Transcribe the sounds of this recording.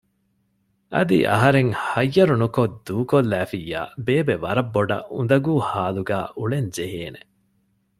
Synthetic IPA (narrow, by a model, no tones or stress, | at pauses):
ʔɐ̰d̪ḭʔɐ̰ɦɐɾeŋhɐjːɐɾunukod̪uːkolːæːfijːa̰ːbeːbeʋɐɾɐbːoɖɐ̰ʔund̪ɐɡuːhaːluɡæːʔuɭeɲd͡ʒeɦeːne̥